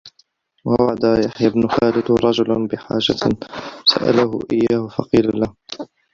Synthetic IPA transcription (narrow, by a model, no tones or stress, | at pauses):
wawaʕad̪ajaħjabnʊxaːlɪd̪ɾˤɑd͡ʒʊlnbɪħa̰ːd͡ʒasa̰ʔa̰lahʊ̰ʔɪjːaːhʊfɑqiːlalah